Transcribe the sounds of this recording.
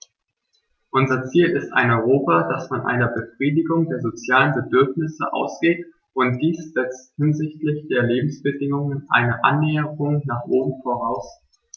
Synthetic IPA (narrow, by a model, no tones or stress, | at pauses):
ʔʊnzɐt͡siːlɪsta̰ɪnɔʏʁoːpad̥asfɔnʔa̰ɪnɐbəfʁ̥iːdɪɡʊŋdeːɐzot͡sjaːlənbədʏɐfnɪsə̰ʔa̰ʊsɡ̥eːt | ʔʊntd̥iːsz̥ɛt͡sthɪnzɪçtlɪçd̥eːɐleːbm̩sb̥ədɪŋʊŋənʔa̰ɪnəʔa̰nːɛːəʁʊŋnaːχʔoːbm̩foʁaʊs